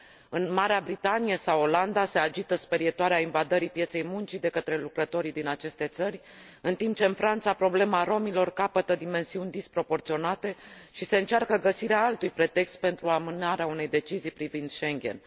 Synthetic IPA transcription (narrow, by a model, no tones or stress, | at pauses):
ɨnmaɾeabɾit̪anijesawo̞land̪ase̞ad͡ʒit̪əspeɾijet̪oaɾeainvad̪əɾipje̞t̪se̞jmunt͡ʃid̪e̞kət̪ɾe̞lukɾət̪o̞ɾid̪inat͡ʃe̞st̪e̞t̪sərʲ | ɨnt̪imp̚t͡ʃe̞ɨnfɾant̪sapɾo̞ble̞maɾo̞milo̞rkapət̪əd̪ime̞nsiunʲd̪ispɾo̞po̞rt̪sio̞nat̪e̞ʃise̞ɨnt͡ʃarkəɡəsiɾeaalt̪ujpɾe̞t̪e̞kst̪̚pe̞nt̪ɾuamɨnaɾeaunejd̪e̞t͡ʃizijpɾivind̪ʃe̞ŋɡʲe̞̰n